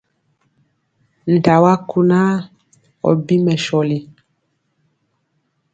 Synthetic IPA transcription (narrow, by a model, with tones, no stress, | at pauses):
n̩˨ta˨wa˦ku˦na˦ | ɔ̰˨bi˦mɛ˨ʃɔ˨li˨